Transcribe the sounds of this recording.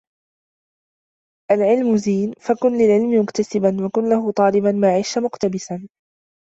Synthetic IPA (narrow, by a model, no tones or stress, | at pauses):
ʔalʕɪlmʊziːnfakʊnlɪlʕɪlmɪmʊkt̪asɪbanwakʊnlahʊt̪ˤɑːlɪbanmaːʕiːʃamʊqt̪abɪsan